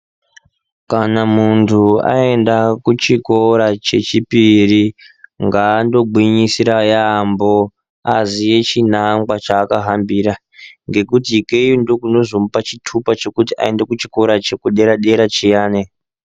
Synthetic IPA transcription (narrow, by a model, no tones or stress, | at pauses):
kanamuntʰua̰e̞ndakut͡ʃiko̞ɾat͡ʃe̞t͡ʃipiri | ŋɡaːndo̞ɡʱwiɲisiɾajambo̞ | azije̞t͡ʃinaŋɡwat͡ʃaːkaɦambiɾa | ŋɡe̞kutikejondokuno̞zomupat͡ʃitʰupat͡ʃe̞kutiʔa̰e̞ndekut͡ʃiko̞ɾat͡ʃe̞kuɗe̞ɾaɗe̞ɾat͡ʃijaːne